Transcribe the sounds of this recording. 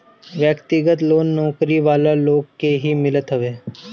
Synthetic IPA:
ʋjəkt̪ɪɡət̪loːnːɔːkɾiʋaːlaloːɡkeɦimɪlət̪ɦɐʋeː

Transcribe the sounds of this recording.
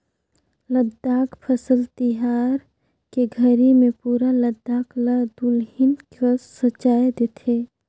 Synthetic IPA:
ləd̪ːaːkpʰəsəlt̪iɦaːɾ | keɡʱəɾimẽpuːɾaləd̪ːaːklad̪ulɦɪnkasət͡ʃaːed̪et̪ʰe

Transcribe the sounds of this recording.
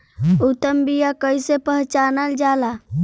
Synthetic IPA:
ut̪ːəmbijakəjsepəɦt͡ʃanəld͡ʒala

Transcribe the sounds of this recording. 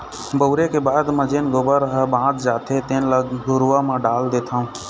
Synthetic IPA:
bəʊɾekebaːd̪məd͡ʒeːnɡobəɾɦəbãːd̪d͡ʒaːt̪ʰet̪eːnləɡɡʊɾːaːmãːɖaːld̪eːt̪ʰaːũː

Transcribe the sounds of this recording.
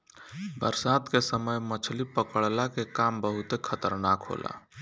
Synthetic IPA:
bə̰ɾsaːd̪kesəməjmət͡ʃʰlipəkəɭlakekambəɦʊt̪ekʰət̪əɾnakɦo̰ːlʔa̰

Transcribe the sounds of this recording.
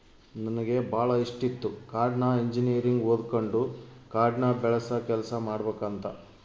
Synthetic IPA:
nɐnɐɡe̞bʱaːɭɐiʂʈit̪ːukaːɾɖnaːeɲd͡ʒinijɐɾiŋɡoːd̪koɳɖukaːɾɖɳaːbɛɭɐsɐkɛlɐsɐmaːɽɐbeːkɐnt̪ɐ

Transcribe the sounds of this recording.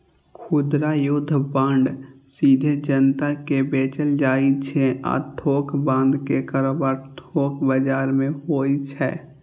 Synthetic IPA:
kʰʊd̪ɾajʊd̪ʱːpãːɳɖsiːd̪ʱed͡ʒənt̪akebeːt͡ʃəld͡ʒaːit͡ʃʰɛa̰ːʈʰoːkbãːnd̪kekəɾoːbaːɾʈʰoːkʰbəd͡ʒaːɾmẽɦoːit͡ʃʰɛ̰ː

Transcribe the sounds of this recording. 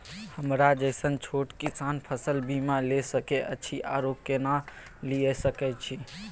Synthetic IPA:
həmɾad͡ʒəɪsənt͡ʃʰoʈkisanpʰəsəlbʱimalesəkeʔə̰ːt͡ʃʰiʔa̰ɾokːjena | liesəkɛt͡ʃʰi

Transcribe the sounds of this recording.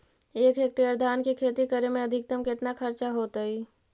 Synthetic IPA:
eːkʰeːk̚ʈeːɾd̪ʱaːnkikʰeːt̪ikəɾemẽəd̪ʱɪk̚t̪əmkɪt̪nakʰəɾt͡ʃaɦoːt̪əi

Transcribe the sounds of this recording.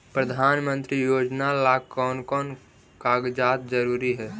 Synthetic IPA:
pɾəd̪ʱanmənt̪ɾijod͡ʒnalakɔnkɔn | kaɡd͡ʒat̪̚d͡ʒəɾuɾiɦɛ

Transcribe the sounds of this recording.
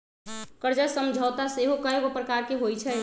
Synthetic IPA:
kəɾd͡ʒasəmd͡ʒʱəːt̪aseɦokajɡpɾəkaɾkeɦojt͡ʃʰɛ

